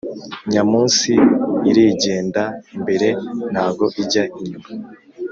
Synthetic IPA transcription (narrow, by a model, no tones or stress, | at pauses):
ɲamuːnsiːɾiɟe̞ːndaimbe̞ɾe̞n̥haɡo̞ʔiɟaʔiɲuma